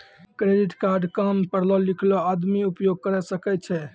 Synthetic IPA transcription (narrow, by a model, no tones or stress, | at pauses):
kɾeɖiʈkaɾɖkampəɾlɔlikʰlɔad̪miupjoɡ̚kəɾɛsəkɛt̚t͡ʃʰɛ